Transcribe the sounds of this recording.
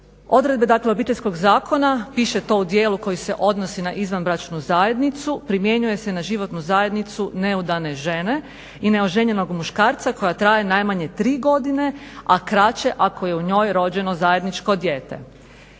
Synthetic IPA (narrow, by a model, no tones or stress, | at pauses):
o̞d̪ɾed̪be̞d̪akleobiːt̪esko̞ɡzaːko̞napiʃet̪o̞ːud̪je̞ːluko̞jisḛʔo̞d̪nosinaʔizʋanbɾat͡ʃnuzajed̪nit̪supɾimje̞ɲuje̞senaʒiʋo̞t̪nuzaje̞d̪nit̪sune̞ud̪ane̞ʒe̞ne̞ | ine̞o̞ʒe̞ɲe̞no̞ɡmuʃkaːɾt̪sako̞jat̪ɾaːje̞najmaɲet̪ɾiːɡo̞d̪ine̞akɾat͡ɕe̞ʔako̞je̞uɲo̞jɾo̞d͡ʑe̞nozaje̞d̪nit͡ʃko̞d̪jeːt̪e̞̰